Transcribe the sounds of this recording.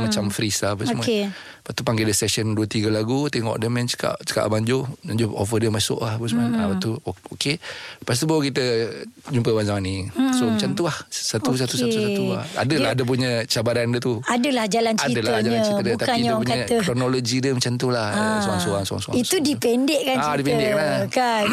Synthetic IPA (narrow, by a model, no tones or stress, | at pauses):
mat͡ʃamfɾisaapəmue | paʔt̪upaŋɡedəsɛsənduət̪iɡəlaɡut̪eŋɔ̰ʔdəmɛnt͡ʃə̥ka̰ʔt͡ʃə̥ka̰ʔbaɲd͡ʒʊaɲd͡ʒoo̰fədiəmasʊ̰ʔlahapəsmunapat̪uokepas̬t̪ubawakit̪əd͡ʒumpəbansawanisomat͡ʃamt̪ulahsat̪us̬at̪usaauaa̰dəlahadəp̬uɲə̃t͡ʃabaɾandət̪uadəlahd͡ʒalanaidəlad͡ʒalaitdət̪aiɲpukɲakɾonolod͡ʒidəmət͡ʃant̪ulahsoaŋsoaŋsoa̰ŋsoa̰iudipɛndeʔkanadipɛndɛkamaka